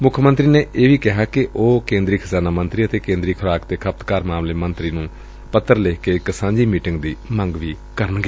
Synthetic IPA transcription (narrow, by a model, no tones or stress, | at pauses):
mʊkʰmə̃nt̪ɾiːneːʔeːʋiːkɪɦaːkɪʔoːkẽːnd̪ɾiːkʰəzaːnaːmənt̪ɾiːət̪eːkẽːnd̪ɾiːkʰəɾaːkt̪eːkʰəp̚t̪kaːɾmaːmleːmənt̪ɾiːnũː | pət̪ːəɾleːkeːɪksãːɲd͡ʒiːmiːʈɪŋɡd̪iːməŋɡʋiː | kəɾənɡeː